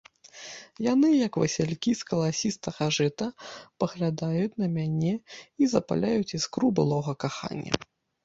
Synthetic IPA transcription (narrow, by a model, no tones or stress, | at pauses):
janɨjɐkvɐ̰sʲɛlʲkʲiskɐlˠasʲist̪ɐxaʐɛt̪ɐpɐɣlʲad̪ajut͡sʲnɐmʲanʲɛizɐpa̰lʲajut͡sʲiskɾubɨlˠɔɣɐkaxa̰nʲːɐ̰